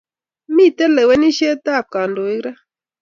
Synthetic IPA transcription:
mi˦t̪e˦le˨we˦ni˦ʃe˦t̪a˦˨p̚ka˨ndo˨i˦ɡɾa˦

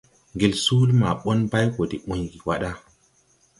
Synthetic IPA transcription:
ŋɡe˨lsu˦lma˨ɓo˦nba˦jko˨di˨ʔũ˨ɲɡi˨wa˦ɗa˦

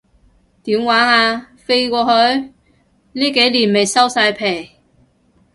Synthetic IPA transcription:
t̪iː˨˥mwaː˨˥ŋaː˧ | fe˥jkʷɔː˧hɵ˨˥ɥ | niː˥ke˨˥jliː˨˩nme˨jsɐ˥wsaː˧jpʰe˨˩j

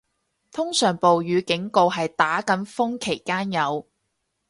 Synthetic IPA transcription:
t̪ʰʊ˥ŋsœː˨˩ŋpo˨wjyː˨˧kɪ˨˥ŋko˨˧wɦɐ˨jt̪aː˨˥kɐ˨˥nfʊ˥ŋkʰe˨˩jkaː˥njɐ˨˧w

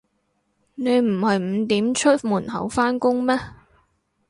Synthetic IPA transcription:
ne˨˧jm̩˨˩hɐ˨jm̩˨˧t̪iː˨˥mt͡ʃʰɵ˥t̚muː˨˩nhɐ̰˨˥wfaː˥nkʊ˥ŋmɛː˥

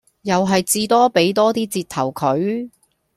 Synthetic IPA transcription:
jɐ˨wɦɐ˨jt͡siː˧t̪ɔː˥pe˨˥jt̪ɔː˥t̪iː˥t͡siː˧t̚t̪ʰɐ̰˨˩wkʰɵ˨˥ɥ

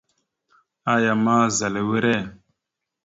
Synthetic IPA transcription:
a˨ja˨ma˦za˨le˨we˦ɾe˦˨

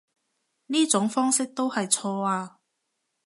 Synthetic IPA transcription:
niː˥t͡sʊ˨˥ŋfɔː˥ŋsɪ˥k̚t̪o˥whɐ˨jt͡sʰɔː˧aː˧

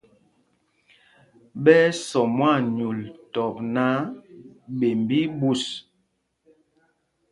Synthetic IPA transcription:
bɛ˦sɔ˨mwa˦˨ɲu˨ltɔ˨p̚na˦ | be˨mbi˦bu˦˨s

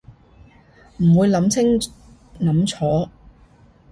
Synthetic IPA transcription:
m̩˨˩wuː˨˧jlɐ˨˧˥mt͡sʰɪ˥ŋ | nɐ˨˥mt͡sʰɔː˨˥

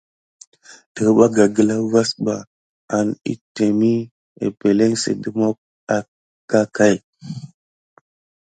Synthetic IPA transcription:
də˨ɣɓa˦ɡa˨ɡə˨la˦va˦sɓa˨ | a˨nḭ˦te˨mi˦ | ḛ˨pe˨le˦ŋsḭ˨də˦mo˦k̚ | a˦ | ka˦ka˦˨j

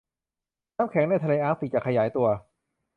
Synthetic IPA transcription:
naː˦˥mkʰɛː˩˦ŋdaː˥˩jt̪ʰleː˧ʔaː˦˥msi˨˩t͡ɕa˨˩kʰa˧jaː˩˦jt̪u˧ɐ

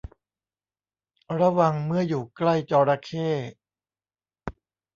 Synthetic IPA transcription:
ɾa˧wa˧ŋmɯ˥˩əjuː˨˩kla˥˩jt͡ɕɔː˧ɾa˧kʰeː˥˩

